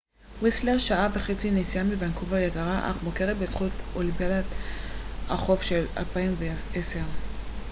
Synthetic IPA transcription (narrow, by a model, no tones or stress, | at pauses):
wesleʁʃaaveχet͡sinesiamivankuvajeɡaʁaʔa̰χmokeʁet̚besχutolimpjalat | aχo̞fʃela̰lpaimveeseʁ